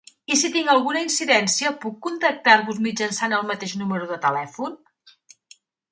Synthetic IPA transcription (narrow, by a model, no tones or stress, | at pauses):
isit̪iŋɡəlˠɣunəinsiðɛnsiəpukːunt̪ək̚t̪aɾβuzmid͡ʒənsanəlˠmət̪eʒnuməɾuðət̪əlɛfun